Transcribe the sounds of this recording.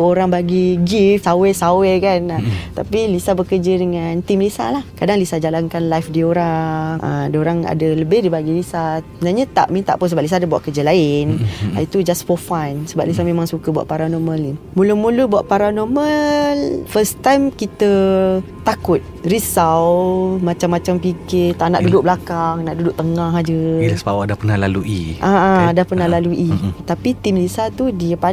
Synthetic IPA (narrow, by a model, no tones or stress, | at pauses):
oɾaŋbaɡiɡifsawɛsawekanat̪apilisabəkəd͡ʒədəŋant̪imlisa̰lahkadaŋlisad͡ʒalankanlajfdioɾaŋŋʔə̰adəoɾaŋa̰dələbɪhdibaɡilisamənaɲat̪a̰ʔmĩnt̪a̰ʔpʊns̬əbaʔlis̬adəbua̰ʔkəd͡ʒəlaɪn̰it̪ud͡ʒasfɔfansəbaʔlis̬amẽmaŋsukəbwa̰ʔ̪̚paɾanɔmə̃limulumulubuaʔpaɾanɔməlfəst̪ajmkit̪ət̪akʊt̪̚risawmat͡ʃamːat͡ʃampikɪt̪aʔna̰ʔdudʊʔ̚blakaŋnaʔdudʊʔ̚t̪əŋaɦad͡ʒədasbawaʔdahpənahlaluḭʔaadahpərnahlaluʔit̪apit̪imlisat̪udiəpa